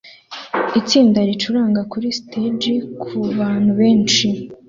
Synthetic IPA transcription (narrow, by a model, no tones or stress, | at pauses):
it͡siːndaɾit͡ʃuɾaːŋɡakuɾistʰed͡ʒikʰuβaːn̥huβeːnt͡ʃi